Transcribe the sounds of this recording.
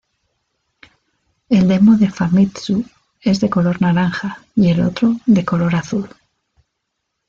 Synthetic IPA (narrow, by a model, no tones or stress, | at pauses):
e̞ld̪e̞mo̞ðe̞famit̪su | e̞zðe̞ko̞lo̞ɾnaɾaŋxaje̞lo̰t̪ɾo̞ðe̞ko̞lo̞ɾaθul